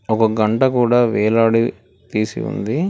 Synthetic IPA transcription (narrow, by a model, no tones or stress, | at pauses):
ɔkɐɡɐɳʈɐkuːɽaːʋɛːlaːɽi | t̪iːsḭṵnd̪i